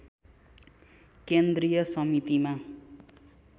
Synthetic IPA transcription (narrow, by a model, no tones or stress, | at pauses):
kend̪rijʌsʌmit̪ima